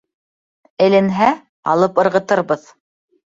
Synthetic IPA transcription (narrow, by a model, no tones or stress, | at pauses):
ɘ̆lɘ̆nɦæ | ɑ̰lˠɤpɤ̆ɾʁɤ̆t̪ɤɾbɤð